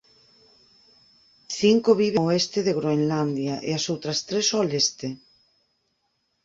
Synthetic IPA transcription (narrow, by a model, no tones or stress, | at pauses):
θiŋkoβiβeoest̪eðeɣɾoenland̪jaʔḛasowt̪ɾɐst̪ɾesɔlest̪e